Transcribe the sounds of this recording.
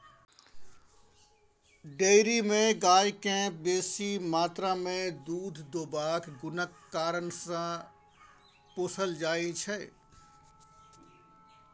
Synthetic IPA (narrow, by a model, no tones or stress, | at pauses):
ɖeːɾimẽɡaːjkẽbeːsimaːt̪ɾamẽd̪uːd̪ʱd̪oːbaːkɡʊnəkːaːɾənsã | posəld͡ʒaːit͡ʃʰɛ